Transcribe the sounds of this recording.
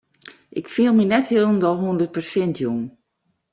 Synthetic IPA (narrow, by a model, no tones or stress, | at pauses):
ʔɪkfiəlˠminɛthilˠəndɔlˠɦundərt̚pərsɛntʰjoŋ